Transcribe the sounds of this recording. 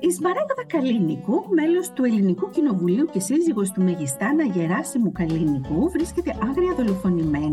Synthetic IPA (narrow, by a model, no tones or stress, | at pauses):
izmɐɾɐɣoðɐkɐlinikume̞lo̞st̪ue̞linikucino̞vuliuce̞siziɣo̞st̪umeʝist̪ɐnɐʝe̞ɾɐsimukɐlinikuvɾisce̞t̪e̞ʔɐŋɣɾiɐðo̞lo̞fo̞nime̞nɐ